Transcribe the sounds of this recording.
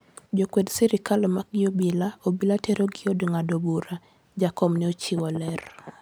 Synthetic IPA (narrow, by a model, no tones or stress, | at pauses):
d͡ʒokwedsɛɾɪkalɔmak̚ɡɪobilaobilatɛɾoɡɪodŋadobuɾa | d͡ʒakɔmnɛot͡ʃiwɔlɛr